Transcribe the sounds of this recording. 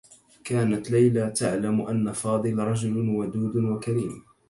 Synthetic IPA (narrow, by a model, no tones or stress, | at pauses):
kaːnat̪lajlat̪aʕlamʔanːafɑːd̪ˤɨlɾˤɑd͡ʒʊlwad̪uːd̪wakaɾiːm